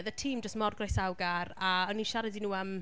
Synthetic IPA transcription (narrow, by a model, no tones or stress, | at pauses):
ðətʰiːmdəstmɔrɡrajsawɡaraɔniʃaɾɛdinuːəm